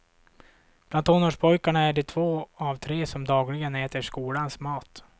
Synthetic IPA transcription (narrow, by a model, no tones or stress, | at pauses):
b̥lant̪ʰːɔːnoːʂpʰɔjkaɳaæɖɛt̪ʰvoːavt̪ʰɾeːsɔmd̪ɑːɡlɪɡənɛːt̪əʂkuːlansmɑːt̪